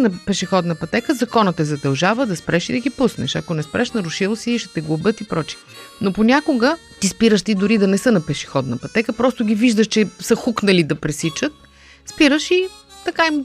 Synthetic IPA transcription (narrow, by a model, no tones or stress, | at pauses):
nɐpɛʃixɔd̪nɐpɐt̪ɛkəzɐkɔnət̪ɛzɐd̪ɐlˠʒavəd̪ɐspɾɛʃid̪ɐɡipusnɛ̰ʃɐkonɛspɾʔɛʃnɐɾʊʃilˠsiiʃɛt̪ɛɡlˠobɤt̪ipɾɔt͡ʃi̥ | noponʲakoɡə | t̪ispiɾəʃt̪id̪ʊɾid̪ɐnɛsɤnɐpɛʃi̥xɔd̪nɐpɐt̪ɛkəpɾɔst̪oɡʲiviʒd̪əʃt͡ʃɛsəxuknəlid̪ɐpɾɛsit͡ʃət̪̚ | spiɾəʃit̪ɐkaim